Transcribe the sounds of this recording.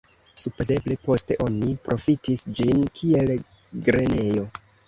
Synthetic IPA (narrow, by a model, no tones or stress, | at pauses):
supo̞ze̞ble̞po̞ste̞ʔo̞nipɾʔo̞fitisd͡ʒinkʰie̞l | ɡɾe̞ne̞jo̞